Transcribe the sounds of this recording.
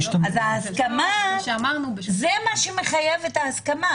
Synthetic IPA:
ʃazaaskamaʃeamaʁnubezemaʃemeχajevetaːskama

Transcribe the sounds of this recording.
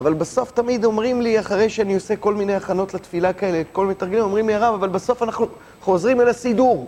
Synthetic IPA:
avalbaso̞ft̪amid̪o̞mʁimliaχaʁe̞jʃeanio̞se̞ko̞lmine̞jaχano̞t̪let̪filakae̞leːt̪̚ko̞lminet̪aɐʁɡelimomʁimliaʁavavalbeso̞fanaχnu | χo̞zʁimelasiduʁ

